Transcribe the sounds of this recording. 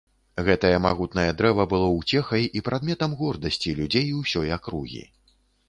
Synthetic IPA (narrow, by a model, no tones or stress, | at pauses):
ɣɛt̪ɐjɐma̰ɣut̪nɐjɐd̪ɾɛvɐbɨlˠɔwt͡sʲɛxɐjʔipɾad̪mʲɛt̪ɐmɣɔrd̪ɐsʲt͡sʲilʲud͡zʲejwsʲɔjakɾuɣʲḭ